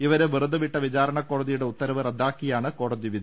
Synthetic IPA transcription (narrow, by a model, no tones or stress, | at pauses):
iʋɐɾeʋirud̪ɐʋiʈːɐʋit͡ɕaːɾɐɳɐkːo̞ːɽɐðijuɽe̞ut̪ːɐɾɐʋɨrɐd̪ʱːaːkːijaːɳɨko̞ːɽɐðiʋid̪ɐ